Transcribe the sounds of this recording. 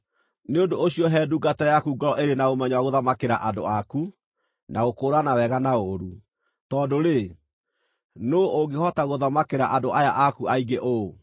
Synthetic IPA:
neondooɕiɔɦɛːduɡatajakuɡɔɾɔʔeɾenaomɛɲwaɣoðamakeɾa̰ʔado̰aku | nʔaɣokoːɾanawɛɣanaoɾu | tɔːdoɾe | nooɡehɔtaɣoðamakeɾaʔadoʔajaʔakuaiɡeʔo

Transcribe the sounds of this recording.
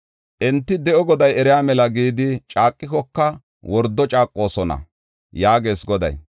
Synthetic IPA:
ʔɛnt̪ːɪd̪ɛʔɔɡɔd̪ɐjɛɾɪjaːmɛlɐɡiːd̪ɪt͡ʃʼaːkʼːɪkɔkːɐ | wɔɾd̪ːɔt͡ʃʼaːkʼːo̞ːsɔnɐ̰ | jaːɡe̞ːsɡɔd̪ɐ̰j

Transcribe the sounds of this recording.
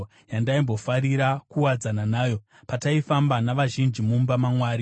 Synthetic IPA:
jandaimbo̞faɾiɾakuwad͡zananaːjo̞ | pataifambanaʋaʒind͡ʒimumbamamwaːɾi

